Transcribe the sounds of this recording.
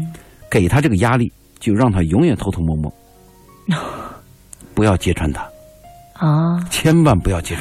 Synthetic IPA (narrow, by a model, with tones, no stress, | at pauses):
ke˨˩ɪt̪ʰa˥ʈ͡ʂɤ˥˩ɡə˩ja˥li˥˩ | t͡ɕjo˥˧ʊɻɑ˥˩ŋt̪ʰa˥jʊ˧˥ŋjɥɛ˨˩nt̪ʰt̪ʰo˥˧ʊmɔ˥˧mwɔ̰˥˩ | pu˧˥jɑ˥˩ʊt͡ɕjɛ˥ʈ͡ʂʰwa˥˩nt̪ʰḁ˥˩ | t͡ɕʰjɛ˥nwa˥˩npu˧˥jɑ˥˩ʊt͡ɕjɛ˥ʈ͡ʂʰ